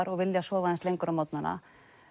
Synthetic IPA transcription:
ɾɔɣvɪljasɔːvaðɛnslejŋkʏɾawmawt̪nana̰

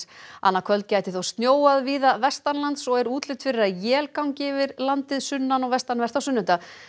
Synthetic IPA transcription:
a̰nːakʰvœlt̪̚caːjt̪ɪ̥θawst̪njoːwaðviːðavɛst̪anlant̪sɔɣɛɾuːt̪lɪt̪fɪɾɪɾaðjɛːlkawɲcɪvɪɾlant̪ɪðsʏnːanɔɣvɛst̪anvɛr̥t̪awsʏnːʏnt̪a

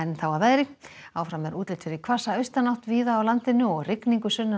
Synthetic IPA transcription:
nθawaðvaːjɾɪkaːwfɾamɛɾuːt̪lɪlt̪fɪɾɪkʰvasaœɥst̪anawht̪viːðaːwlant̪ɪnʏɔɣrɪkniŋkʏsʏnːa

